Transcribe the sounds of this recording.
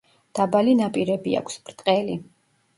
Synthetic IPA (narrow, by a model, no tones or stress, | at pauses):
d̪̥abalinapʼiɾɛbia̰kʷʰsb̥ɾt̪ʼqʼɛli